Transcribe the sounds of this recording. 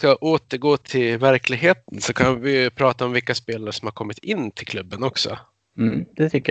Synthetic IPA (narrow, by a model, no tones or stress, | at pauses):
skaʔoːt̪əɾɡoːt̪ʰɪlvæɾklɪɡɦeːt̪ənsɔkʰanvɪpʰɾɑːt̪aɔmvɪkːaspeːlaɾəʂɔmhaɾkʰɔmːɪt̪ʰɪnːt̪ʰɪlkʰlɵbːənɔksɔ̰ | d̪̥ɛt̪ʰʏkːə